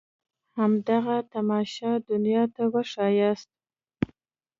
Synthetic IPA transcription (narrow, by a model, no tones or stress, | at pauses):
hamd̪aɣat̪amɑʃɑd̪ʊnjɑt̪awəʂɑjɑst̪̚